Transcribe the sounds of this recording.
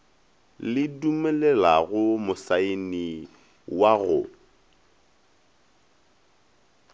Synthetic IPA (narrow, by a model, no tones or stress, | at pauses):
lɪdumɛlɛlaɣʊmʊsaeni | waɣʊ̰